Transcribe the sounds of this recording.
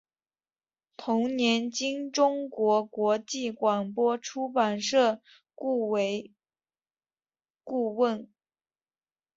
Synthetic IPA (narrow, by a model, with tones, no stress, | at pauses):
t̪ʰʊ˧˥ŋnjɛ˧˥nt͡ɕi˥ŋʈ͡ʂʊ˥ŋkwɔ˧˥kwɔ˧˥t͡ɕi˥˩kwa˨˩npwɔ˥ʈ͡ʂʰu˥pa˨˩nʂɤ˥˧ | u˥˧we˧˥ɪ | ku˥˧wə˥˩n